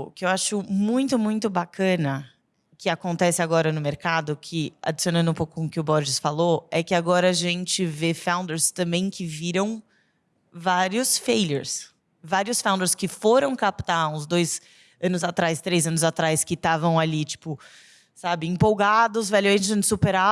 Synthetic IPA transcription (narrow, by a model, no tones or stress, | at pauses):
kɪewaʃʊmũj̃t̪ʊmũj̃t̪ʊbakʰɐ̃nɐ | kɪakõnt̪ɛsɪaɡɔɾɐnʊmeɾkad̪ʊkʰɪa̰d͡ʒisionɐ̃nd̪ʊpowkʊkõʊkɪʊbɔɾʒɪsfaloɛkɪaɡɔɾɐaʒẽnt͡ʃɪvefãw̃nd̪eɾst̪ɐ̃mbẽj̃kʰɪviɾɐ̃w̃ | vaɾiʊsfejleɾs | vaɾiʊsfãw̪̃d̪eɾskɪfoɾɐ̃w̃kapt̪aũzd̪ojz | ɐ̃nʊzat̪ɾajst̪ɾejzɐ̃nʊzat̪ɾajskɪt̪avɐ̃w̃alit͡ʃi̥pʊ | sabɪẽmpowɡad̪ʊzvɛlʊẽd͡ʒɪsupeɾa